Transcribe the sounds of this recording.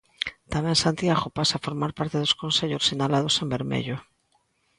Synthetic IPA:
t̪amensant̪iaɣopasafoɾmaɾpaɾt̪eðoskonseʎosiɲalað̞osembeɾmḛʎo

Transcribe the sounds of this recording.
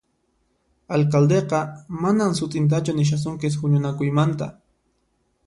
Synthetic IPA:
alkald̪eqɑmanaŋsʊt̪ʼɪnt̪̬at͡ʃʊnɪʃ̬as̬ʊŋkɪs̬hʊɲʊnakʊjmant̪a̰

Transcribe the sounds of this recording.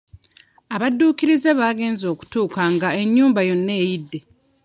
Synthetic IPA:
aβadːuːkiɾize̞βaːɡe̞ːnzo̞ːku̥tuːkaŋɡae̞ɲːuːmbajo̞nːe̞ːjidːe̞

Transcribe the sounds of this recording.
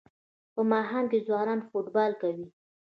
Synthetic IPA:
pəmɑɦɑnkezwɑnɑnfoʈbɑlkawi

